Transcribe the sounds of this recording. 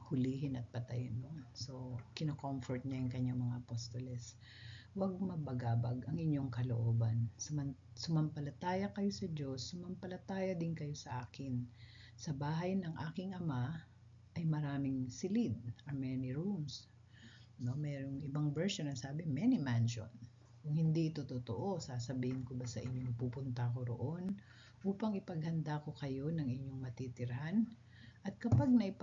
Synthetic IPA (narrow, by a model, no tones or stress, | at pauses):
hʊliːɦɪnɐt̪̚pɐt̪ɐjɪnːosokɪnokomfɔɹt̪̚ɲajʊŋkɐɲːaŋmɐŋaʔɐpost̪olɛs | wɐɡ̚mɐbɐɡaːbɐɡʔɐŋʔɪɲːo̞ŋkɐlo̰ʔoːbɐnsʊmɐnsʊmɐmpɐlɐt̪aːjɐkɐjo̞sɐd͡ʒo̞sːʊmɐmpɐlɐt̪aːjɐd̪ɪnkɐjo̞sɐʔaːkɪn | sɐbaːɦɐjnɐŋʔaːkɪŋʔɐma | ʔɐjmɐɾaːmɪŋsɪlɪd̪̚ɐmɛniɹums | no̞mɛːɾoŋɪbaŋvɛɹsonɐsaːbɪmɛnimanʃo̰n | kʊŋhɪnd̪iʔɪt̪ot̪ot̪o̰ʔo̞saːsɐbiːhɪnkobasɐʔɪɲːoŋpupʊnt̪ɐko̞ɾo̰ʔo̞n | ʔuːpɐŋɪpɐɡ̚hɐnd̪ako̞kɐjo̞nɐŋʔɪɲːo̞ŋmɐt̪it̪ɪɾɐhan | ʔɐt̪̚kɐpaɡ̚nɐʔɪp